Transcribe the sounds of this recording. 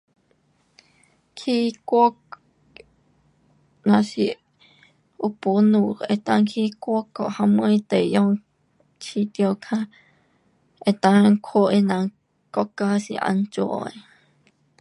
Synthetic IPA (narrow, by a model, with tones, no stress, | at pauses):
kʰi˦kʷo˦k | nã˧si˧ | u˧pu˧nu˧e˧t̪a˧ŋkʰi˦kʷo˦ko˨ʔha˧mũ˦˧i˧t̪e˨˧jo˦ŋ | t͡ʃʰi˧˦t̪jo˧kʰã˧ | e˨t̪a˧ŋkʰo˦ʔe˧nã˧ | ko˧ka˦sḭ˧ʔa̰˧nt͡ʃo˧ʔo̰˨e˨